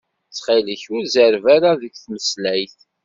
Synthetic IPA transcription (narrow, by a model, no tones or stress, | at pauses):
t͡sːχiləçʊɾzəɾvaɾaðəɡθməslæjθ